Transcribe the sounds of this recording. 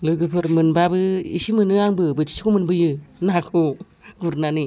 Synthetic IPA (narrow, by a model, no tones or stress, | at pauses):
lɯɡɯpʰɯɾmɯnbabɯḭsimɯnɯaŋbɯbɯt͡ʃʰi̥si̥kumɯnbɯjɯnakʰu | ɡuɾnanɯ